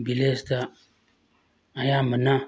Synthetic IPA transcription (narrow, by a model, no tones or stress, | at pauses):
bilesta | ajaməna